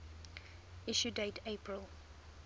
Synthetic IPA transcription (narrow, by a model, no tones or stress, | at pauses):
ɪʃudeɪtʰeɪpʰɹəlˠ